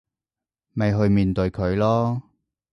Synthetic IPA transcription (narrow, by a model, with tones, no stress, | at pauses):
me˨˧jɦɵ˧ɥmiː˨nt̪ɵ˧ɥkʰɵ˨˧ɥlɔː˥